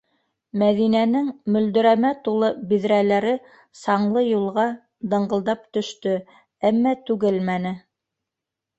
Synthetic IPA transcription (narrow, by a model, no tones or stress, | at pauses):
mæðinænɘŋmɵ̆ld̪ɵ̆ɾæmæt̪ulˠɤbiðɾælæɾɘ | sɑɴlˠɤjulˠʁɑ | d̪ɤ̆ɴɢɤ̆lˠd̪ɑp̚t̪ɵ̆ʃt̪ɵ | æmːæt̪ʉɡɘlmænɘ